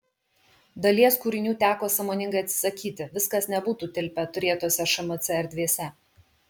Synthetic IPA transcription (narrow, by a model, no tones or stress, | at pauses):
d̪ɐlʲiɛskuːɾʲɪnʲuːt̪ʲæːkoːsɐmoːnʲɪŋɡɐɪɐt̪sʲɪ̥sɐkʲiːt̪ʲɪʋʲɪskɐsnʲɛbuːt̪uːt̪ʲɪlʲpʲɛt̪ʊɾʲeːt̪oːsʲɛʃɐmot̪sʲɛɛɾʲd̪ʲʋʲeːsʲɛ